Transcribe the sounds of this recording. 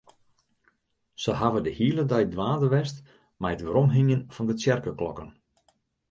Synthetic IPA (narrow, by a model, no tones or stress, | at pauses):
səɦavədəhiələdœjdʋaːdəʋɛst | majətʋəɾɔmɦɪnjənfɔndət͡sjɛrkəklɔ̰kən